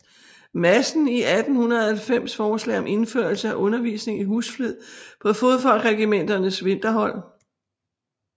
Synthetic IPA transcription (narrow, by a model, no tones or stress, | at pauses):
mæsn̩iʔæd̥n̩hunɐð̩ˠælfem̰sfɒːslɛ̰ɪɒ̽mʔe̝nføːɐlsəæʔɔ̽nɐʋḭːsne̝ŋiɦṵːsfleð̰ˠpʰɒ̽fo̝ðˠfɒ̽l̰ɡ̥ʁɛɡ̥imen̰d̥ɐnəsʋe̝nd̥ɐɦɒ̽l̰